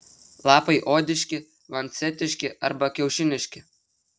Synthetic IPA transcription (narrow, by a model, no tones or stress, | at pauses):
lˠɑpɐɪʔod̪ʲɪʃʲkʲɪ | ʋɐnʲt̪t͡sʲɛt̪ʲɪʃʲkʲɪɐɾbɐkʲɛʊʃʲɪnʲɪʃʲkʲɪ